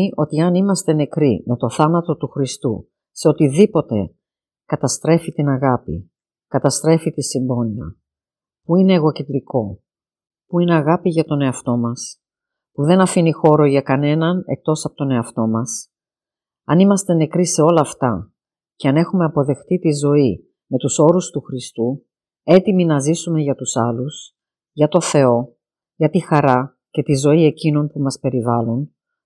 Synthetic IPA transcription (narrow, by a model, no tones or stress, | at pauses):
o̞t̪iɐnimɐst̪e̞ne̞kɾime̞t̪o̞θɐnɐt̪o̞t̪uxɾist̪ṵ | se̞o̞t̪iðipo̞t̪e̞ | kɐt̪ɐst̪ɾe̞fit̪inɐɣɐpḭ | kɐt̪ɐst̪ɾe̞fit̪isimbo̞niɐ̰ | puine̞ːɣo̞ced̪ɾiko̞ | puine̞ɐɣɐpiʝɐt̪o̞ne̞ɐft̪o̞mɐs | puðe̞nɐfinixo̞ɾo̞ʝɐkɐne̞nɐne̞̰k̚t̪o̞sɐpo̞t̪one̞ɐft̪o̞mɐs | ɐ̰nimɐst̪e̞ne̞kɾise̞o̞lɐːft̪ɐ | ce̞ɐne̞xume̞ɐpo̞ðe̞xt̪it̪izo̞i | me̞t̪uso̞ɾust̪uxɾist̪u | e̞t̪iminɐzisume̞ʝɐt̪usɐlus | ʝɐt̪o̞θe̞o̞ | ʝɐt̪ixɐɾɐ | ce̞t̪izo̞ie̞cino̞npumɐspe̞ɾivɐlun